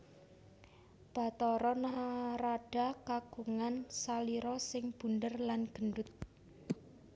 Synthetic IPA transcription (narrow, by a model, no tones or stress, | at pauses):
b̥a̤t̪ɔɾɔnaɦaɾaɖ̥a̤kaɡ̥uŋansaliɾɔsɪŋb̥ṳndərlanɡ̥ə̤nɖʊt̪̚